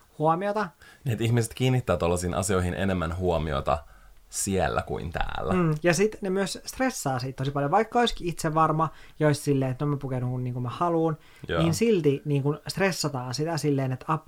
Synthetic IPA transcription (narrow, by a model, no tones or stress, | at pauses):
huomiot̪ɑniet̪içmiset̪kiːnːit̪ːæːt̪olːɑsiːnʔɑ̰sioihinʔḛnemːænhuomio̰t̪ɑ̰sielːæ̰kṵint̪æ̰ːlːæjɑsit̪nemyøsst̪resːɑːsiːt̪t̪osipɑljoʋɑikːɑoiskiit̪seʋʋːɑrmɑjɑoissilːeːet̪noemæpukenuŋkunniːŋkumæhɑluːn | niːnsilt̪iniːŋkunst̪resːɑt̪ɑːnsit̪æsilːeːnet̪ɑp